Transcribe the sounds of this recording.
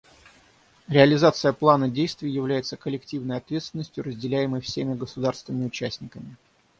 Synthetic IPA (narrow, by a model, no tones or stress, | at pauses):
ɾʲɪəlʲɪzat̪sɨjəplˠanədʲejst̪vʲɪjjɪvlʲæjɪt̪səkəlʲɪktʲivnəjɐt̪vʲe̞t̪st̪vʲɪnːəsʲtʲjʊrəzʲdʲɪlʲæjɪməjfsʲemʲɪɡəsʊd̪arst̪vʲɪnəmʲɪʊt͡ɕæsʲnʲɪkəmʲɪ